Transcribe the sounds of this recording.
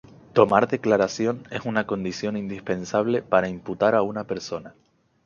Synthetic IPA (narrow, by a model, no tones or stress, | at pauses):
t̪o̞maɾðe̞klaɾasjo̞ne̞sunako̞nd̪isjo̞nind̪ispe̞nsaβ̞le̞paɾaimput̪aɾaunape̞ɾso̞na